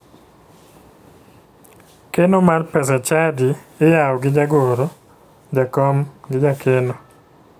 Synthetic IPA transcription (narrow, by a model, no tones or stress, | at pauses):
kenomarpɛsɛt͡ʃadiejaɔɡɪd͡ʒaɡoɾo | d͡ʒakɔmɡɪd͡ʒakʰeno